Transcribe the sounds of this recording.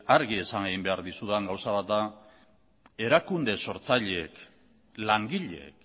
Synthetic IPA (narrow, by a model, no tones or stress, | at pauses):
aɾɣie̞saŋeɣimbe̞aɾðisuðeŋɡawsaβat̪da | e̞ɾakund̪e̞so̞ɾt͡saʎeek | laŋɡiʎeḛk